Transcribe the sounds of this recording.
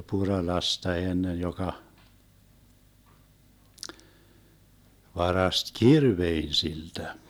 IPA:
purɑlɑstɑ enːen jokɑ ʋɑrɑst kirʋein siltæ

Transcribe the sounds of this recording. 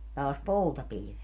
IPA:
tɑːs poutɑpilĭʋet

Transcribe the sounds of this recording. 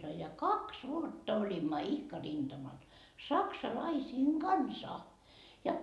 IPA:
sɑnoi jɑ kɑks ʋuotːɑ olʲimːɑ ihkɑ rind̥ɑmɑl sɑksɑlɑisiːŋ ɡ̊ɑnsɑ jɑ

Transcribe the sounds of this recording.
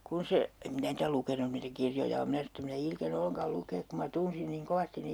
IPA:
kun se em minæ niːtæ lukenun niːtæ kirjojɑ om minæ sɑnon̞ etː em minæ ilkene olːen̞kɑl lukeːk ku mɑ tunsin niːŋ koʋɑstin ne

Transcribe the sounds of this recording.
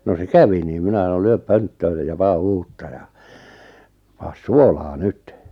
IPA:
no se kæʋi niːm minæ sɑnol lyøp pøntːøːn̆ s̆ĕ jɑ pɑː uːtːɑ jɑ pɑːs suolɑː nyt

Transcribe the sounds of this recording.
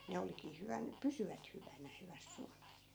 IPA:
ne olikˑiː hyʋæn pysyʋæt hyʋænæ hyʋæs suɑlɑs

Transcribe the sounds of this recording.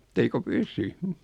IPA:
et eiko pysy

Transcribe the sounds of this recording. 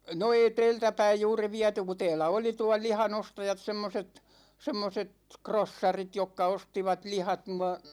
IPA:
no ei teːltæ pæij juːri ʋiæty ku tɛːlæ oli tuɑl̆ lihɑn ostɑjɑt semːoset semːoset krosːɑrit jokːɑ ostiʋɑt lihɑt nuɑ

